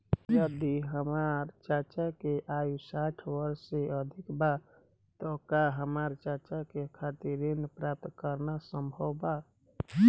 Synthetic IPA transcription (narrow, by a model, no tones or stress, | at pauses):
jəd̪iɦəmaɾt͡ʃat͡ʃakeʔausaʈʰwəɾseəd̪ʱikba | t̪ɔkaɦəmaɾt͡ʃat͡ʃakekʰat̪iɾinpɾap̚t̪kəɾnasəmbʱəwba